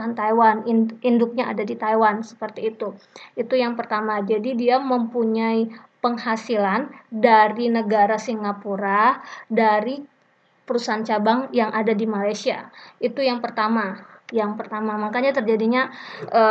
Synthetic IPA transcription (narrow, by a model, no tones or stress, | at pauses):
ant̪ajwaniindʊk̚ɲaʔa̰dadit̪ajwansə̥pərt̪iːt̪uit̪ujaŋpərt̪amad͡ʒadidiaməmpuɲaipəŋhasilandaɾinəɡaɾasiŋɡapuɾadaɾi | pəɾusaɦant͡ʃabaŋjaŋʔadadimalajsia̰it̪ujaŋpərt̪amajaŋpərt̪amamakaɲat̪ərd͡ʒadiɲaʔə